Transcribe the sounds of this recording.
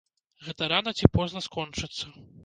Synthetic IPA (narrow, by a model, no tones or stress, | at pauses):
ɣɛt̪ɐɾanɐt͡sʲipɔznɐskɔnt͡ʂɨt̪sːɐ